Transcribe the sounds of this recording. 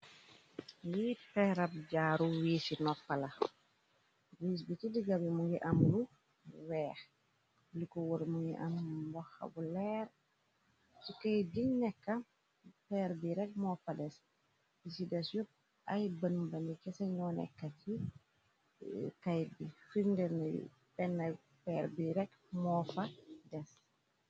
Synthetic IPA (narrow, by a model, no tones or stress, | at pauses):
ŋɡipɛɾap̚ɟaːɾuwiːsinɔpːala | wiːs̬bitidiɡabimuŋɡiʔamlu | wɛːx | likɔwoɾimuŋɡiʔa̰mbɔxa̰bulɛːɾ | sikɐjdinɛkːa | pɛɾbiɾɛk̚mɔfadɛs | bisidɛsjɔp̚ | ajbənbanikɛsɛɲɔnɛ̰kːati | kajdifindɛɾnaḭ | pɛnːaj | pɛɾbiɾɛk | mɔfadɛs